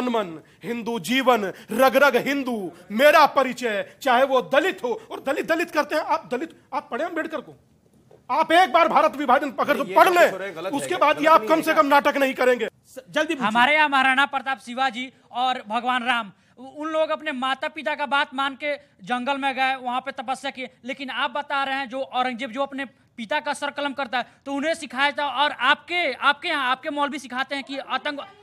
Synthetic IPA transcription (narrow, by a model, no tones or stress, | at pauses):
ɐnmən | ɦɪ̃nd̪ud͡ʒiːʋənɾɐɡɾəɡɦɪ̃nd̪umeːɾapɐɾɪt͡ʃɛt͡ʃaːɦeʋod̪ɐlɪt̪ɦoɔːɾd̪ɐlɪt̪̚d̪ɐlɪt̪kɐɾt̪eɦɛ̃aːp̚d̪ɐlɪt̪ | aːpːɐɽeɦɐmbʱeːɽkəɾkoː | aːpeːk̚baːɾbʱaːɾət̪ʋɪbʱaːdənɐɡəɾopɐɽlẽʊskebaːd̪jiaːp̚kɐmsekəmnaːʈəknɐɦĩkɐɾẽːɡeː | d͡ʒɐld̪ipɦɐmaːɾeaːmɐɾaːɽ̃apəɾt̪aːpsɪʋad͡ʒiː | ɔːɾbʱɐɡʋaːnɾaːm | ʊnloːɡɐpnemaːt̪apɪt̪akabaːt̪maːnke | d͡ʒɐ̃ŋɡəlmẽɡəeʋɐɦãpet̪ɐpəsjəkieleːkɪnaːp̚bɐt̪aɾeɦɛ̃d͡ʒoːʔɔːɾə̃ŋɡd͡ʒeːbd͡ʒoːɐpne | pɪt̪akasəɾkələmkɐɾt̪aɦɛt̪oʊnẽsɪkʰaːet̪aɔːɾaːp̚keaːp̚keãaːp̚kemɔːlbʱisɪkʰaːt̪eɦɛ̃kiʔɐt̪ə̃ŋɡ